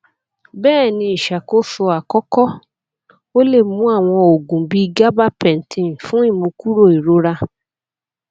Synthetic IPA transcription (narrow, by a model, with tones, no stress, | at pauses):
bɛː˦˨nĩ˧i˨ʃa˨ko˦fu˧a˨kɔ˦kɔ˦ | o˦le˦˨mũ˨˦a˦˨w̃ɔ̃˧o˨ɡũ˨bi˦i˧ɡa˦ba˦pɛ̃˨n̩˨tʰĩ˨fũ˦i˦˨mũ˧ku˦ɾo˦˨i˨ɾo˨˦ɾa˧